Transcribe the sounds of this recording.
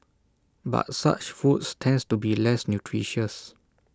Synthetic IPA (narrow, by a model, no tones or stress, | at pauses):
ba̰t̚sa̰t͡ʃfutstʰɛ̃nstubilɛsnjutʰɹiʃəs